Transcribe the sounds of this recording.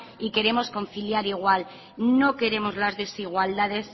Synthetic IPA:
ike̞ɾe̞mo̞sko̞nθiljaɾiɣ̞wal | no̞ke̞ɾe̞mo̞zlazðe̞siɣ̞wald̪að̞e̞s

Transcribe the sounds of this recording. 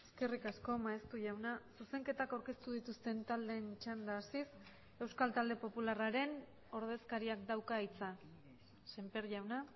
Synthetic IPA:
e̞ske̞rikasko̞maest̪uʝawnasuse̞ŋke̞t̪akawɾke̞st̪uð̞it̪ust̪e̞nt̪ald̪e̞ːnt͡ʃand̪aːsis | e̞wskalt̪ald̪e̞po̞pularaɾe̞n | o̞ɾðe̞skaɾiakd̪awkait͡sa | se̞mpe̞ɾʝawna

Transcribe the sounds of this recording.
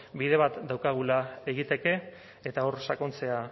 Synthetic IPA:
bið̞e̞β̞at̪d̪awkaɣ̞ulae̞ɣ̞it̪e̞ke̞ː | t̪ao̞ɾsako̞nt͡se̞a

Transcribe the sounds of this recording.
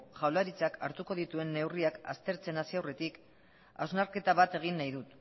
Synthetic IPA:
ʝawlaɾit͡saka̰ɾt̪uko̞ð̞it̪ue̞nːe̞wriaka̰st̪e̞ɾt͡se̞nasiawre̞t̪ik | a̰znaɾke̞t̪aβat̪e̞ɣ̞inːajðut̪

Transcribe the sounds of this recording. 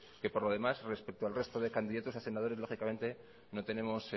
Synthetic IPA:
ke̞po̞ɾlo̞ð̞e̞masre̞spek̚t̪oalre̞st̪o̞ðe̞kand̪iðat̪osase̞nað̞o̞ɾe̞zlo̞xikame̞nt̪e̞ | no̞t̪e̞nẽ̞mos

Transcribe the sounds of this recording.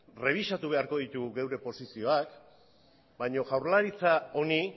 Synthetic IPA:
re̞β̞isat̪uβ̞e̞aɾko̞ð̞it̪uɣewɾe̞po̞sisio̞ak | baɲo̞ɣawɾlaɾit͡sao̞ni

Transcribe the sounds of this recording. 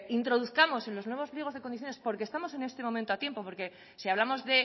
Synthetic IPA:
int̪ɾo̞ðuθkamo̞se̞nlo̞znwe̞β̞o̞zβlieo̞zðeko̞nd̪iθjonespo̞ɾkest̪amo̞se̞ne̞st̪e̞moment̪oat̪je̞mpo̞po̞ɾke̞ | siaβlamo̞zðe̞

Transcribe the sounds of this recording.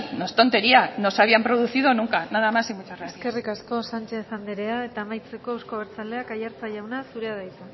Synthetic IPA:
nost̪o̞nt̪e̞ɾiano̞saβ̞iampɾo̞ðuθiðo̞nuŋkanaðamasimut͡ʃaraesske̞rikasko̞sant͡ʃe̞sand̪eɾe̞ae̞t̪aːmajt͡se̞ko̞ewsko̞β̞ɾt͡sald̪e̞akajaɾt͡saʝawnasuɾe̞aðajt̪u

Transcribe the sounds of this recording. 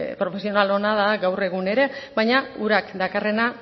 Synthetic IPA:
pɾo̞fe̞sio̞nalo̞naðaɡawre̞ɣ̞une̞ɾe̞βajɲauɾakd̪akare̞na

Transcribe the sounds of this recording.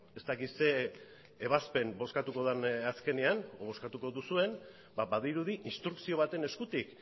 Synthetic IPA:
e̞st̪akise̞ː | β̞aspe̞mbo̞skat̪uko̞ðanaske̞neanoβ̞o̞skat̪uko̞ðusue̞n | babaðiɾuð̞iʔinst̪ɾuksio̞β̞at̪e̞ne̞skut̪ik

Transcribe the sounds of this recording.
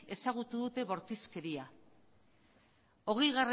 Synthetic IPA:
e̞saɣ̞ut̪uðut̪e̞βo̞ɾt̪iske̞ɾia | o̞ɣejɣare

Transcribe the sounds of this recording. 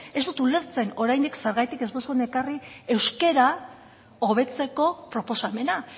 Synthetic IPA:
e̞st̪ut̪ule̞ɾt͡se̞no̞ɾajnd̪ikse̞ɾɣajt̪ike̞zd̪osonekarie̞wske̞ɾa | oβ̞e̞t͡se̞ko̞pɾo̞po̞same̞na

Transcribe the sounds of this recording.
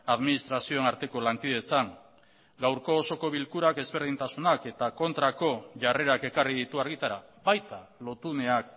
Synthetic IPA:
aðminist̪ɾasio̞enaɾt̪e̞ko̞laŋkiðe̞t͡saŋ | ɡawɾko̞ːso̞ko̞βilkuɾake̞zβe̞ɾð̞int̪asunake̞t̪ako̞nt̪ɾako̞ʝare̞ɾake̞kariðit̪uaɾɣ̞it̪aɾaβajt̪alo̞t̪une̞ak

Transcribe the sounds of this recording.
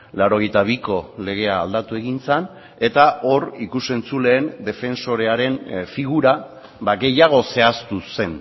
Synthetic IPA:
lawɾo̞ɣ̞e̞jt̪aβ̞iko̞le̞ɣ̞e̞aːld̪at̪ue̞ɣ̞int͡san | e̞t̪ao̞rikuse̞nt͡sule̞ːnd̪e̞fe̞nso̞ɾe̞aɾe̞nfiɣuɾa | baɣe̞jaɣ̞o̞se̞ast̪use̞n

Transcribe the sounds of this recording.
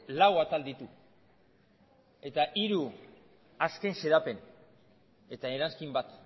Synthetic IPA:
lawat̪ald̪it̪u | e̞t̪aʔiɾu | aske̞nse̞ɾape̞n | e̞t̪aeɾanskimbat̪

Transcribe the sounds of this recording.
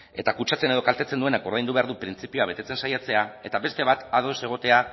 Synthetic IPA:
e̞t̪akut͡ʃat͡se̞ne̞ð̞o̞kalt̪e̞t͡send̪ue̞nako̞ɾðajnd̪uβe̞aɾðupɾint͡sipioaβe̞t̪e̞t͡se̞nsajat͡se̞ae̞t̪aβe̞st̪e̞β̞at̪aðo̞se̞ɣ̞o̞t̪e̞a

